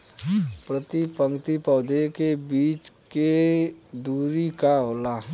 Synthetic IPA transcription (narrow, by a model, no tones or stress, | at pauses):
pɾət̪ipə̃ŋkt̪ipɔːd̪ekebiːt͡ʃked̪uːɾikaɦoːla